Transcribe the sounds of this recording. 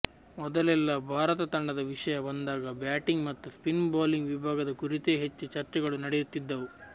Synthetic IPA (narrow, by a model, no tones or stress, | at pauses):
mɔd̪ɐlɛlːɐbʱaːɾɐt̪ɐt̪ɐɳɖɐd̪ɐʋiʂɐjɐbɐnd̪aːɡɐbjaːʈiŋɡmɐt̪ːuspinbaːliŋɡʋibʱaːɡɐd̪ɐkuɾit̪e̞ːɦet͡ʃːut͡ʃɐɾt͡ʃɛɡɐɭunɐɽejut̪ːid̪ːɐʋu